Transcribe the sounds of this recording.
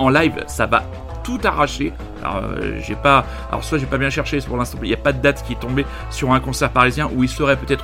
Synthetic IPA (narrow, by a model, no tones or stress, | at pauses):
ɑ̃lajvsava̰ | t̪ut̪aʁaʃe | alɔ̰ø̰ʒɛpa | a̰lɔ̰ʁswaʒepabjɛ̃ʃɛʁʃepuʁlɛ̃st̪ɑ̃iljapad̪əd̪at̪kʲiɛt̪ɔ̃be | syʁɛ̃kɔ̃sɛʁpaʁizjɛ̃ʔuilsəʁɛpøt̪ɛt̪χ